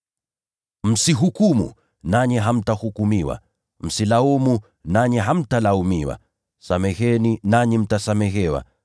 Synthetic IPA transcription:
m̩siɦukumṵ | naɲɛɦam̩tahukumiwa̰ | m̩silaumu | naɲɛɦam̩talaumiwa̰ | samɛɣɛninaɲim̩tasamɛɣɛwa̰

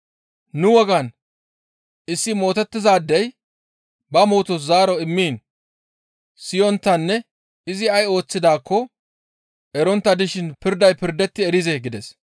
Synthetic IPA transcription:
nʊwɔɡɐn | ɪsːɪmo̞ːt̪ɛt̪ːɪzaːd̪ːɛj | bɐmuːt̪ɔszaːɾɔɪmːiːn | sɪjɔnt̪ːɐnːɛ | ɪzɪɐjo̞ːt͡sːɪd̪aːkːɔ | ɛɾɔnt̪ːɐd̪ɪʃɪnpɪɾd̪ɐjpɪɾd̪ɛt̪ːɪɛɾɪzɛɡɪd̪ɛs

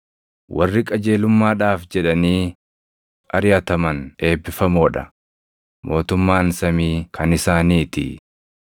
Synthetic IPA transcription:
wɐrːɪkʼɐd͡ʒe̞ːlʊmːaːᶑaːfd͡ʒɛᶑɐniː | ɐɾjɐt̪ɐmɐnʔe̞ːbːɪfɐmoːᶑɐ̰ | mo̞ːt̪ʊmːaːnsɐmiːkʰɐnɪsaːniːt̪ɪ̰

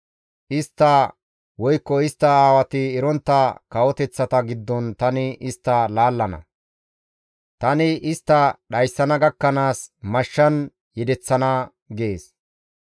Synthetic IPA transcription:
ʔɪst̪ːɐ | wɔjkːɔɪst̪ːɐaːwɐt̪ɪːɾɔnt̪ːɐkɐwɔt̪ɛt͡sːɐt̪ɐɡɪd̪ːɔnt̪ɐnɪʔɪst̪ːɐlaːlːɐnɐ̰ | t̪ɐnɪʔɪst̪ːɐɗɐjsːɐnɐɡɐkːɐnaːsmɐʃːɐn | jɛd̪ɛt͡sːɐnɐ | ɡeːs

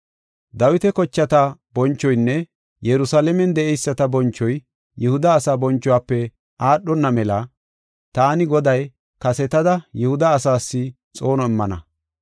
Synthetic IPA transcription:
d̪ɐwɪt̪ɛkɔt͡ʃːɐt̪ɐbɔnt͡ʃːɔjnːɛ | jɛɾʊsalɛmɛnd̪ɛɛjsːɐt̪ɐbɔnt͡ʃːɔj | jɛhʊd̪ɐːsaːbɔnt͡ʃːɔwaːpːɛ | aːɗːɔnːɐmɛlɐ | t̪aːnɪɡɔd̪ɐj | kɐsɛt̪ɐd̪ɐjɛhʊd̪ɐːsaːsːɪ | t͡sʼo̞ːnɔɛmːɐnɐ̰

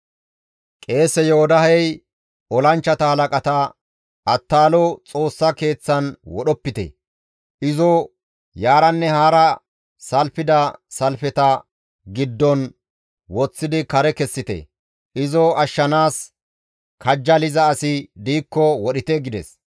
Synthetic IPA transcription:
kʼe̞ːsɛjɔhɔd̪ɐɦɛj | ʔɔlɐnt͡ʃːɐt̪ɐhɐlɐkʼɐt̪ɐ | ʔɐt̪ːaːlɔt͡sʼo̞ːsːɐke̞ːt͡sːɐnwɔɗɔpːɪt̪ɛ̰ | ʔɪzɔ | jaːɾɐnːɛhaːɾɐ | sɐlfɪd̪ɐsɐlfɛt̪ɐ | ɡɪd̪ːɔn | wɔt͡sːɪd̪ɪkɐɾɛkɛsːɪt̪ɛ̰ | ʔɪzɔɐʃːɐnaːs | kʰɐd͡ʒːɐlɪzɐːsɪd̪iːkːɔwɔɗɪt̪ɛɡɪd̪ɛ̰s

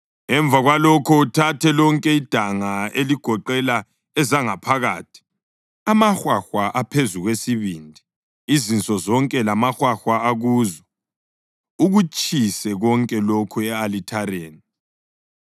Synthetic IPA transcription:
ɛɱvʱaɣwalɔkʰɔutʰatʰɛlɔŋkʼɛid̥ʱaŋaeliɡ̥ʱɔǃɛla | ɛzaŋapʰaɣaːtʰi̥ | amaxwaxwaʔapʰezuɣwesiβiːndʱi | izint͡sʼɔzɔŋkʼɛlamaxwaxwaaɣuːzɔ | uɣut͡ʃʼisɛɣɔŋkʼɛlokʰuɛalitʰaɾeːni

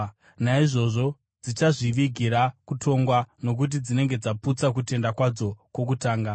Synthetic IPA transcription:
naiʐo̞ʐo̞ | d͡zit͡ʃaʐiʋiɡʱiɾakutʰo̞ŋɡwano̞k̬ut̬id͡zine̞ŋɡe̞d͡zaput͡sak̬ute̞ndakwad͡zo̞kwo̞k̬utaːŋɡa

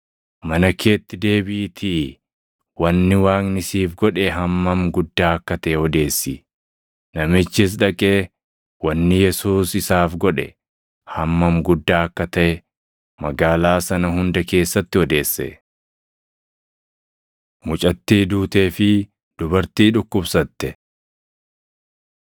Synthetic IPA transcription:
mɐnɐkʰe̞ːt̪ːɪd̪e̞ːbiːt̪ʰi | wɐnːɪwaːŋnɪsiːfɡɔᶑɛɦɐmːɐmɡʊd̪ːaːɐkːɐt̪ɐʔɛɔd̪e̞ːsːiː | nɐmɪt͡ʃːɪs̬ᶑɐkʼeː | wɐnːɪjɛsuːsɪsaːfɡɔᶑɛ̰ | hɐmːɐmɡʊd̪ːaːɐkːɐt̪ɐʔɛ | mɐɡaːlaːsɐnɐɦʊnd̪ɐke̞ːsːɐt̪ːɪɔd̪e̞ːsːɛ̰ | mʊt͡ʃʼɐt̪ːiːd̪uːt̪eːfɪ | d̪̥ʊbɐɾt̪iːᶑʊkːʊbsɐt̪ːɛ

